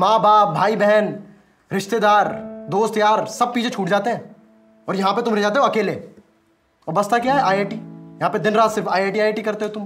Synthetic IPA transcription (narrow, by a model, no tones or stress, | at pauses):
mãːbaːp̚bʱaːibɛɦɛn | ɾɪʃt̪ed̪aːɾd̪oːst̪jaːɾsɐb̚piːd͡ʒʰʱet͡ʃʰuːʈd͡ʒaːt̪eɦɛ̃ː | ɔːɾjɐɦãp̬et̪ʊmɾed͡ʒaːt̪̬eɦõɐkeːle | ɔːɾbɐst̪akjaːɦɛʔaːjeːʈiːjɐɦãped̪ɪnɾaːt̪sɪɾfaːjeːʈiaːeːʈikɐɾt̪eɦõt̪ʊm